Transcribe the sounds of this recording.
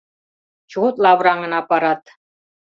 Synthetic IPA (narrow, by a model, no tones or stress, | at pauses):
t͡ɕuot̪lˠɑβɾɑŋɤ̆nɑpɑɾɑt̪